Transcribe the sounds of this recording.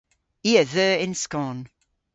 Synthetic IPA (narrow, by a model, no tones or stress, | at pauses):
iəðəːɪ̃nskɔ̃n